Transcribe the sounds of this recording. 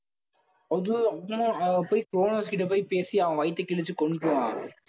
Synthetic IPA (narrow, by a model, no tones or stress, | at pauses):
ɐðɯɐpːɳʊ̃pːoːjkɾoːnoːskɪʈ̬ːɐpoːjpeːsiɐʋɐ̃ʋɐɪt̪ːɐkɪɭɯt͡ʃːɯkɔɳʈːɯʋãː